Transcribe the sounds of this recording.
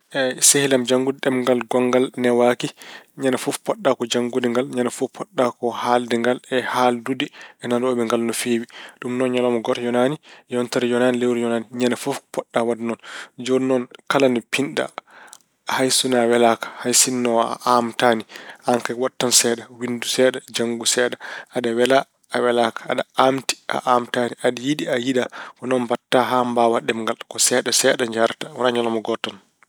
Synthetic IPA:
ʔɛsehilamd͡ʒaŋɡudiɗɛmŋɡalɡɔŋɡalnɛwakiɲanafufpɔɗːakɔd͡ʒaŋɡudiŋɡalɲanafupʰːɔɗːakɔhaldɛŋɡalɛhaldudiʔɛnandɔɔɓɛŋɡalnɔfewiɗumnɔnɲɔlɔmɔɡɔɾjɔnaːnijɔntaɾijɔnanilewɾijɔnaːniɲanafufpɔɗːawadnɔnd͡ʒonɔnkalanipʰinɗa̰ | hajsunawɛlakḁhajsinːɔa̰ʔamtaniaŋkawatːansɛɗawindusɛːɗad͡ʒaŋɡusɛɗaadawɛla | awɛlakḁːɗaamti̥ʔa̰ʔamtaniʔaɗajiɗiajidakɔnɔnbatːaɦambaːwaɗɛmŋɡalkɔsɛɗasɛɗaɲd͡ʒaɾtawanaɲalamɔɡɔtːan

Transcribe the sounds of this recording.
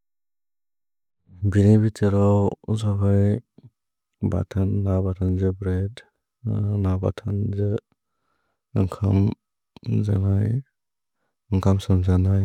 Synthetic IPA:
binibitɯɾawzaɦaj | ba̰tʰanːabatʰanzɯbɾed | naba̰tʰanzɯ | ɯŋkʰa̰m | za̰naj | ɯŋkʰamsɯmzanaj

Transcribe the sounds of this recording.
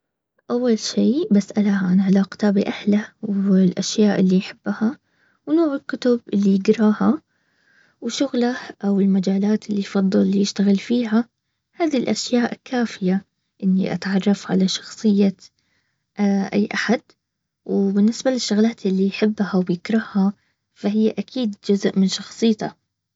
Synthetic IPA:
ʔawːalʃiːbasʔalaʕanʕɪlaːqt̪aːbiʔahlawɪlʔaʃjaːʔɪlːijħɪb̥ːaha | wnoːʕɪlkʊt̪ʊbʔɪlːijɪɡɾˤɑːha | wʃʊɣlaʔawɪlmad͡ʒaːlaːt̪ɪlːijfɑd̪ˤːɑlːjɪʃt̪aɣɪlfiːɦa | haːðilʔaʃjaːʔkʰaːfɪja | ʔɪnːiʔa̰t̪ʕɑrˤːɑfʕa̰laʃɑ̥xsˤɨjːa | ʔaʔa̰jːʔaħad̪ | wɪbɪnːɪsbalɪʃːʊɣlaːt̪ɪlːijħɪbːhawjɪkɾˤɑhha | faɦɪjːaʔakʰiːd̪d͡ʒʊzʔmɪnʃɑxsˤɨjːt̪a

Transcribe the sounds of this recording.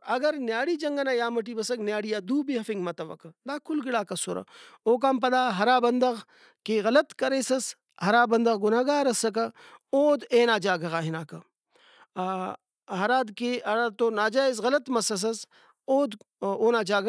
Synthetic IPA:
ɐɡɐɾnjaːɽiːd͡ʒɐŋɡɐnaːjaːmɐʈ̬iːbɐsɐknjaːɽijaːd̪uːbiɦɐfiŋɡmɐt̪ɐʋɐ̰kɐd̪aːkʰʊlɡɪɽaːkɐsoɾɐ̰oːk̬aːmp̬ɐd̪aːɦɐɾaːbɐnd̪ɐɣ | keɣɐlɐt̪kɐɾeːsɐs | hɐɾaːbɐnd̪ɐɣɡʊnaːɡaːɾɐsɐk̬ɐoːd̪eːnaːd͡ʒaːɡɐɣaːɦɪnaːkɐ | ɦɐɾaːd̪keɐɾat̪oːnaːd͡ʒaːizɣɐlɐt̪mɐsɐs̬ɐs | oːd̪ | oːnaːd͡ʒaːɡ

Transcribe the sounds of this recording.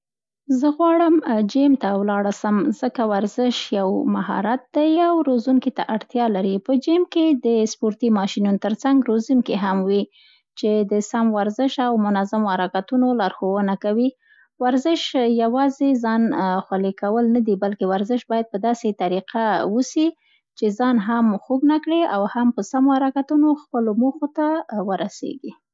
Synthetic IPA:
zəɣwɑɽəmd͡ʒemt̪awlɑɽasəmz̥əkawaɾzɪʃjawmaɦɑ̰ɾat̪̚d̪ajawɾozuŋkit̪aʔaɽt̪jɑlaɾipəd͡ʒemked̪əspoɾt̪imɑʃinunt̪əɾt͡saŋɡɾozimkeɦamwi | t͡ʃed̪əsamwaɾzɪʃawmʊnazamohaɾakat̪unolɑɾxowənakawi | waɾzɪʃjawɑzezɑnxwalekawəlnad̪ibalkewaɾzɪʃbɑjad̪̚pəd̪ɑset̪aɾiqʰawusi | t͡ʃezɑnɦamxoɡnakɽeawhampəsamohaɾakat̪unoxpəlomoxot̪awəɾasḛɡi

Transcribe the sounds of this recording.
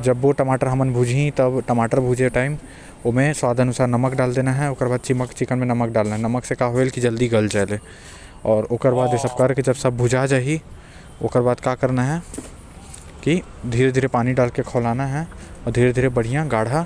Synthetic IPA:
d͡ʒɐbʋoʈɐmaːʈəɾɦɐmənbʱuːd͡ʒʱĩt̪ɐbʈɐmaːʈəɾbʱuːd͡ʒeʈaːɪm | oːmẽswaːd̪ʱəɐnʊsaːɾnɐməkɖaːld̪eːnaɦɛoːkəɾbaːd̪̚t͡ʃɪməkt͡ʃɪkənmẽnɐmək̚ɖaːlnaɦɛnɐməksekaːɦoelkid͡ʒɐld̪iɡɐld͡ʒaːle | ɔːɾoːkəɾbaːd̪jesəb̚kɐɾkid͡ʒɐbsɐb̚ːʱuːd͡ʒad͡ʒaːɦi | o̰ːkəɾbaːd̪̚kaːkəɾnaɦɛ | kid̪ʱiːɾed̪ʱiːɾepaːniɖaːlkekʰɔːlaːnaɦɛɔːɾd̪ʱiːɾed̪ʱiːɾebɐɽ̤ijãɡaːɽ̤a

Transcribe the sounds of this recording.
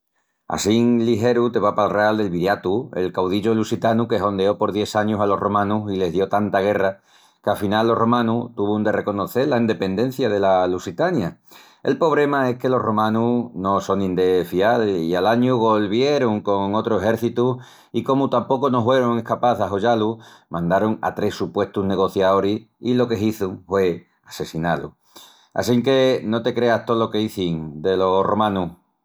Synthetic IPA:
a̰siŋliɦe̞ɾut̪e̞βapalreald̪e̞lβiɾjat̪ue̞̰lkawð̞iʎo̞lusit̪anuke̞ɦo̞nd̪eo̞po̞ɾðje̞saɲusalo̞ro̞mãnusile̞ɦðjo̞t̪ant̪aɣ̞e̞ra | keafinalːo̞ro̞mãnut̪uβund̪e̞re̞ko̞no̞θe̞ɾlaind̪e̞pe̞nd̪ẽ̞n̟θjað̞e̞lalusit̪anja | e̞̰lpo̞β̞ɾe̞mae̞hke̞lo̞ro̞mãnuno̞so̞ŋĩnd̪e̞fialḭalaɲuɣ̞o̞lβje̞ɾoŋko̞ŋo̞t̪ɾoeɦe̞ɾθit̪u | iko̞mut̪ampo̞kono̞ɦwe̞ɾoŋe̞hkapaθaɦo̞ʝalumãnd̪aɾoŋa̰t̪ɾe̞supwe̞ht̪uzne̞ɣo̞θjaoɾi | ilo̞ke̞ɦiθuŋfwe̞ | ase̞sinalṵ | a̰siŋke̞no̞t̪e̞kɾe̞aht̪olo̞ke̞iθiŋd̪e̞lo̞ro̞mãnuh

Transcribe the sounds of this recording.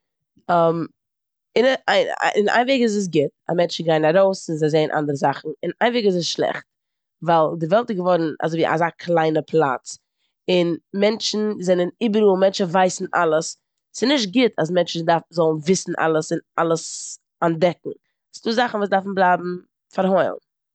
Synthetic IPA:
am | ɪn̰ɪna̰ɪnveːɡɪz̬əs̬ɡɪta̰mɛnt͡ʃɪɡaɪnaɾoʊsɪnzazeɪənʔa̰ndəɾəzaχn̩ɪna̰ɪnveːɡɪs̬əsʃlˠɛ̰χt̚ | vaɪlˠdɪvɛlˠtɪsɡəvɔɾn̩a̰zoɪviʔa̰zaːkʰlˠaɪnəpʰlˠa̰t͡s | ɪnmɛnt͡ʃn̩zɛnəniːbəɾuːlˠmɛnt͡ʃn̩vaɪsn̩ʔa̰lˠəs | sɪnɪʃt̚ɡɪtʰas̬mɛnt͡ʃn̩dafzɔlˠn̩vɪsn̩ʔa̰lˠəsɪnʔa̰lˠəs | andɛk̚ŋ̩ | sduːzaχn̩vuːsdafn̩blˠaːbm̩ | faɾhɔɪlˠn

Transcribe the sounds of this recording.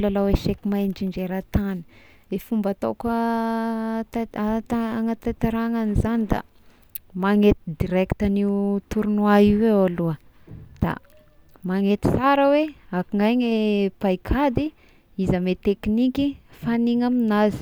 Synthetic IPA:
lalaweʃekimajnd͡ʒiɳd͡ʒeɾat̪ani̥ | efumbat̪okə | t̪ː | ŋat̪at̪aɾaŋanizanid̪a̰ | maŋet̪id̪iɾɛkt̪aniut̪uɾunwaiwewaluə | d̪̥a̰ | maŋet̪i̥saɾəweakiŋajɲepajkʰad̪i | izamet̪eknikifaniŋaminazi̥

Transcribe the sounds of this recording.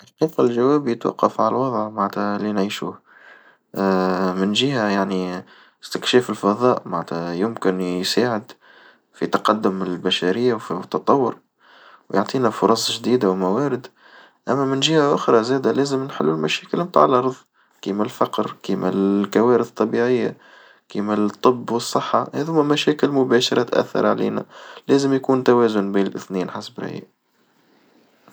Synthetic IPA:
ʔɪlqiːfalʒæwæːbjɪt̪wɑ̰qːɑfʕalwɑðˤʕmaʕnt̪hælinʕiːʃṵːh | mɪnʒɪɦæjaʕni | st̪ɪkʃɛːfɪlfɑðˤɑːʔmaʕnt̪hæjʊmkɪnjsaːʕɪd̪ | fit̪ɑqɑd̪ːʊmɪllbæʃæɾɪjːawfiʊt̪ːɑt̪ˤɑwːʊɾ | wjoʕt̪ˤiːnæfʊɾˤɑsˤʒd̪iːd̪awmæwæːɾɪd̪ | ʔæmːæmɪnʒɪhaʔʊxɾˤɑzæːd̪ælæːzəmnħɪ̰lːʊlmæʃɛːkɪlmt̪a̰ːʕəlʔɑɾˤðˤ | kimælfɑqɾkimæ̰lkæwæːɾəθt̪ˤːɑbiʕɪjːa | kimæt̪ˤːɨbːwəsˤːəħːɑhæðhʊmːæmæʃɛːkɪlmʊbæːʃɑɾˤɑt̪ʔæ̰θːɑ̰ɾˤʕlḭːnæ̰læːzəmjkuːnt̪æwæːzʊnbiːnɪlʔɪθniːnħasbɾæ̰j̰ʔ

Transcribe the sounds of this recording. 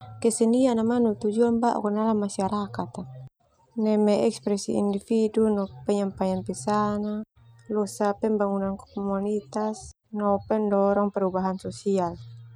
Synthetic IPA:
kɛsɛnianamanut̪ud͡ʒuambaʔṵkɔnalamasiaɾakat̪a | nɛmɛɛkspɾɛsḭḭndifidunɔpɛɲampaɲanpɛsana | lɔsapɛmbaŋunankɔ̥kɔmɔnit̪as | nɔpɛndɔɾɔŋpɛɾubaɦansɔsial

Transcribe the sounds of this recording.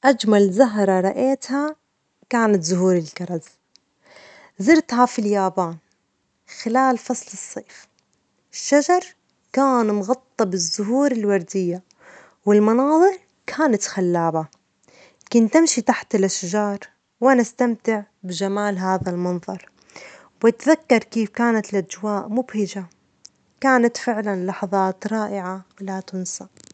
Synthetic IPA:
ʔad͡ʒmalzaɦɾˤɑɾˤɑʔeːt̪ha | kaːnat̪zʊɦuːɾɪlkɑɾˤɑz | zɪɾt̪ɦafiljaːbaːn | xɪlaːlfɑsˤlɨsˤːeːf | ɪʃːad͡ʒɑɾˤ | kaːnmɣɑt̪ˤːɑbɪzːʊɦuːɾɪlwɑɾˤd̪ɪjːa | wɪlmɑnɑːðˤɨɾˤ | kʰaːnat̪xalːaːba | kʊnt̪ɪmʃit̪aħt̪ɪlʔaʃd͡ʒɑːɾˤ | wʔanast̪amt̪ɪʕ | bɪd͡ʒamaːlɦaːðalmɑnðˤɑɾˤ | wɪt̪ðakːɑɾˤkiːfkaːnat̪ɪlʔad͡ʒwaːʔmʊbhɪd͡ʒa | kaːnat̪fɪʕlanlɑħɑðˤɑːt̪ɾˤɑːʔɪʕawɪlat̪ʊnsa

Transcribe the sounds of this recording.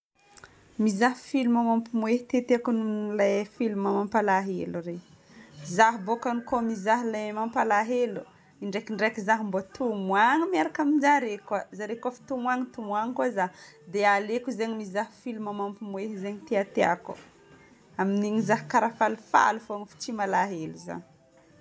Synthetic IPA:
mizahi̥filumamampimweɦi̥t̪eat̪eakununlajfilumamampalaɦeluɾe | zaɦibokanukomizaɦilamampalaɦelu | iɳɖ͡ʐekiɳɖ͡ʐakizaɦimbot̪umwaŋəmiaɾakamind͡ʒaɾekwazaɾekafi̥t̪umwaŋit̪umuaŋkuazad̪ealekuzeɲimizaɦfilimamampimweɦizeɲit̪eat̪ea̰kṵ̥ | aminiɲizaɦi̥kaɾafalufa̰lufoaŋifi̥t͡ʃimalaɦeluza̰ni̥

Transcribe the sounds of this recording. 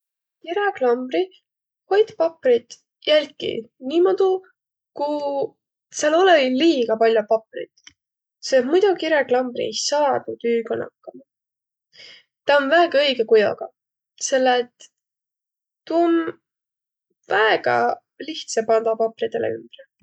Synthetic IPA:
kiɾeklɑmbri | ho̞jd̪pɑprit̪ | jælʲkːḭniːmod̪̥u | ku | seɑloleiliːɡ̥ɑpɑlʲjopɑprḭt̪ | set̪mujd̪̥ukiɾeklɑmb̥rḭe̞jsɑːnud̪yːɡɑnɑ̰kːɑmɑ | t̪ɑonvæːɡ̥ɑɤjɡekujo̰ɡ̥ɑ | se̞lːet̪ | um | væeɡ̥ɑ̰ | liht̪sepɑnd̪ɑpɑprid̪e̞lʔḛy̰mb̥r

